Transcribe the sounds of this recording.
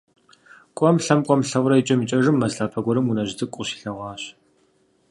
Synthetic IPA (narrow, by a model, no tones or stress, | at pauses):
kʷʼɔmɬɐmkʷʼɔmɬɐwrɐit͡ʃʼɐmit͡ʃʼɐʐɨmːɐzɬaːpʰɐɡʷɔɾɨmunɐʑɪtʰʼɨkʷʼʊɕi̥ːɬɐʁʷɑːɕ